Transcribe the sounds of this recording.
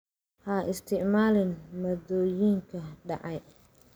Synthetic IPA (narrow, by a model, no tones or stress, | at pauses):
hɐʔɪst̪ʰɪʕmaːlɪnmɔd̪ɔːjiːŋkʰɐɖɑ̰ʕɑj